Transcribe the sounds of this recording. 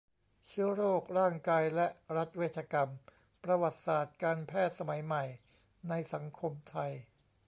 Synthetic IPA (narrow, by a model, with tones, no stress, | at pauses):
t͡ɕʰɯ˦˥ɐɾoː˥˩k̚ɾaː˥˩ŋkaː˧jlɛ˦˥ʔɾa˦˥t̪̚weː˥˩t̪̚ʰaː˧ka˧m | pɾa˧wa˨˩t̪̚saː˨˩t̪̚kaː˧npʰɛː˥˩t̪̚sa˧ma˩˦jma˨˩j | na˧jsa˩˦ŋkʰo˧mt̪ʰa˧j